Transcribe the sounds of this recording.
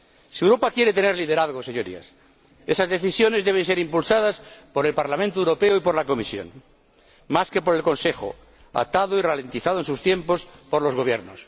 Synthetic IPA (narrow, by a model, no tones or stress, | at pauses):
siewɾo̞pakje̞ɾe̞t̪e̞ne̞ɾlið̞eɾaðɣoseɲoɾḭa̰s | esazðe̞θisjo̞nezðeβe̞nse̞ɾimpulsað̞aspo̞ɾe̞lpaɾlamẽnt̪oewɾo̞peoipo̞ɾlako̞misjo̞̰n | maske̞poɾe̞lkonse̞xo̰ | a̰t̪aðoirale̞nt̪iθaðoensust̪je̞mpo̞spo̞ɾlo̞zɣo̞β̞je̞ɾnos